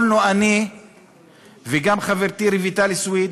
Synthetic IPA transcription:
noani | veɡamχaveɾt̪iɾivit̪aliswid̪

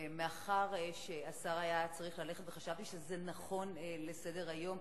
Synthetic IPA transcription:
meaχaʁʃeasaʁajat͡saʁiχlale̞χet̪veχaʃavt̪iʃezenaχo̞nlesedeʁajo̞m

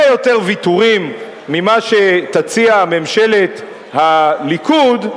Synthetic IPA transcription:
jo̞t̪e̞ʁvituʁimː | imaʃe̞t̪at͡siamemʃe̞le̞t̪ | halikud

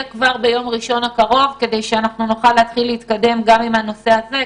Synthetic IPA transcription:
kvaʁbe̞jo̞mʁiʃo̞nakaʁo̞vke̞d̪e̞jʃeanaχnunuχalːeat̪χilːeit̪̚kad̪e̞mɡamimano̞se̞aze̞

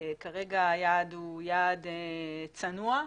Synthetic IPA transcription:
kaʁeɡajad̪ujad̪et͡sanua

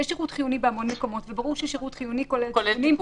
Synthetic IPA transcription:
jɛʃeʁutχijunibeamo̞nmeko̞mo̞tvebaʁuʁʃeʃeʁutχijunikolelnim

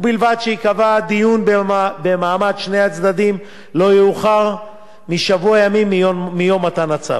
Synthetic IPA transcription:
bilvad̪ʃeikavad̪ijunbbemaːmadʃne̞jat͡sd̪ad̪im | lo̞jeuχaʁ | miʃavuajamimːijo̞mat̪anat͡sa̰v

